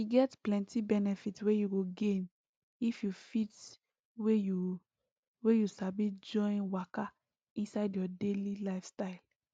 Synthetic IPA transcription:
iɡɛtplɛ̃ntibɛnɛfitwejuɡoɡẽn | ifjufit | weu | wejusabid͡ʒɔ̃ɪ̃nwaka | ĩnsaɪdjɔdelilaɪfstaɪl

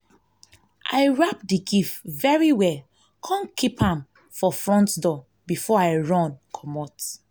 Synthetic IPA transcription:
ʔa̰ɪɹap̚diɡifvɛɹiwɛl | kʰɔ̃nkʰipãm | fɔfɹɔ̃ntdɔ | bifɔaɪɹɔ̃nkʰɔmɔt

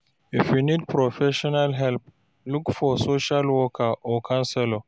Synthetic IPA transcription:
efinitpɾɔfɛʃɔnalɦɛlp̚ | lukfɔsoʃalwɔkʰaʔɔkʰãnsɛlɔ

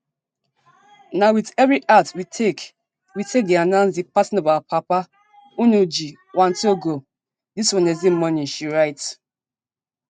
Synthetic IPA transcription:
nawitɛvɾiʔatwitʰek | witʰek̚ɡianãnsdipasinobapʰapa | unud͡ʒi | wãntoɡo | diswɔ̃nezim̩mɔnĩn̩ʃiɾaɪt

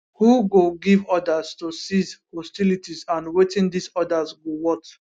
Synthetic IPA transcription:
huɡoɡivɔdaztosizhɔstilitizãnwetɪ̃ndisɔdazɡowɔt

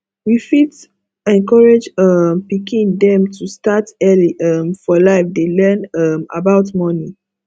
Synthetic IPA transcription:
wifit | ɛ̃nkɔɹed͡ʒʌmpikʰĩndɛ̃mtʰustatɛliʔʌmfɔlaɪfdelɜ̃nʌma̰baʊtmɔni

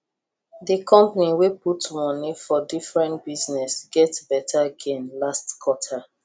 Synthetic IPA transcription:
dikʰɔ̃mpaniweputmɔnifɔdifɹɛ̃ntbiznɛsɡɛtbɛtʰaaɡɛ̃nlastkʰɔtʰa

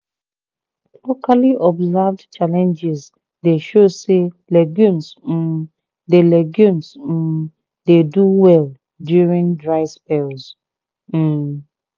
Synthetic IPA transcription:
lokʰaliʔɔbzɛvdt͡ʃalɛ̃nd͡ʒiz | deʃose | lɛɡjũns̩ | delɛɡjũns̩ | deduwɛl | djuɹĩndɹaɪspɛlz | m̩

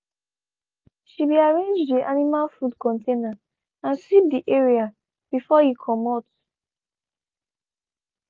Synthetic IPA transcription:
ʃibiaɹẽnd͡ʒddiʔanimalfudkɔ̃ntʰẽna | ãnsip̚diʔeɹia | b̥ifɔhikʰɔmɔt

